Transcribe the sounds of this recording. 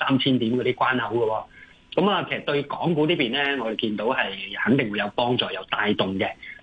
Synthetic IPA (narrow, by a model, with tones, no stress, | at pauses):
saː˥mt͡sʰiː˥nt̪iː˨˥mkɔː˨˧ɾiː˦˥kwaː˥nhɐ˨˥wɡɐ˧wɔː˧ | kɐ˨˥maː˨kʰe˨˩sɐ˨˩t̪ɵ˧ɥkɔː˨˥ŋkuː˨˥t̪iː˥piː˨nlɛː˥ŋɔː˨˧ɾe˨jkiː˧nt̪o˨˥whɐ˨jhɐ˨˥ŋt̪ɪ˨ŋwu˨˧jɐ˨˧wpɔː˥ŋt͡sɔː˨˩jɐ˨˧wt̪aː˧jt̪ʊ˨˩ŋkɛː˧